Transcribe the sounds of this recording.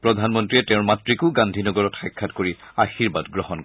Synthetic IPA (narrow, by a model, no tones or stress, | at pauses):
pɹɔdʱanmɔntɹiɛtɛ̃ʊ̃matɹikʊɡãndʱinɔɡɔɹɔtxajkʰːatkoɹiaxiɹbadɡɹɔɦɔnk